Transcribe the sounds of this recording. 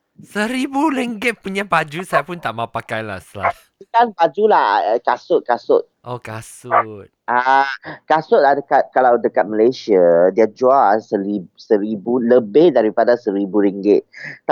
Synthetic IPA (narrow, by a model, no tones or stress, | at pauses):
səɾibuɾiŋɡɪt̪̚puɲãbad͡ʒusajapʊnt̪aʔmapakajla̰sla̰f | sikanbad͡ʒulahkasʊt̪̚kasʊt̪̚ʔokasʊt̪̚ʔakasʊt̚adəkat̪̚kalawdəkat̪̚məlasiadiad͡ʒuaasəlisəɾibuləbɪhdaɾipadasəɾibuɾiŋɡɪt̪̚ː